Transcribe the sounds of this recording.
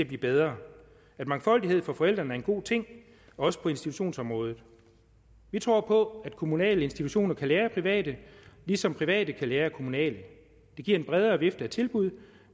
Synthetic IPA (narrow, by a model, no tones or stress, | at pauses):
æb̥liːb̥eð̞ˠʁɐː | æd̥mɑ̈ŋfɒ̽l̰d̥iɦe̝ð̰ˠfɒ̽fɒ̽el̰d̥ʁɐnəæɐe̝nɡ̥o̝̰ːt͡sʰe̝ŋ̰ | ɒɒ̽sə̥pʰɒ̽e̝nsd̥it͡sʰuɕo̝̰ːnsɒ̽mʁɔ̽ːð̞ˠð̩ˠ | ʋit͡sʰʁo̝ɐ̰pʰɒ̽æd̥kʰo̝munɛ̰ːləe̝nsd̥it͡sʰuɕo̝̰ːnɐkʰælæːɐpʰʁiʋɛ̰ːd̥əlisɒ̽mpʰʁiʋɛ̰ːd̥əkʰælæːɐkʰo̝munɛ̰ːlə | d̥e̝ɡ̥iɐ̰e̝nb̥ʁɛð̞ˠɐːʋe̝fd̥əæt͡sʰe̝lb̥uð̞̰ˠ